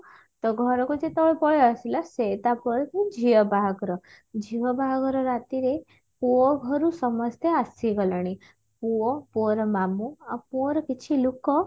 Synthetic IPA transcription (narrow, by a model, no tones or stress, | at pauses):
t̪ɔɡʱəɾɔkud͡ʒet̪ɔʋpɔjasilaset̪apɔɾt̪id͡ʒiəbʱaɡɾɔ | d͡ʒiʋəbʱaɡɾɔɾat̪iɾe | puɔɡʱəɾusəməst̪ʰeasiɡələɽ̃i | puɔpoɾmamuapoɾkit͡ʃʰilukɔ